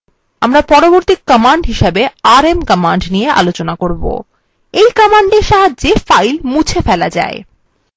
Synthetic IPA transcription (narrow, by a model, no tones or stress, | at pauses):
amɾapɔɾoboɾt̪ikkəmaɳɖɦiʃebeaɾemkəmaɳɖnijeʔa̰lot͡ɕonakoɾbo̰ | ejkəmaɳɖeɾʃaɦadd͡ʑefajlmut͡ɕʰefɛlad͡ʑa̰e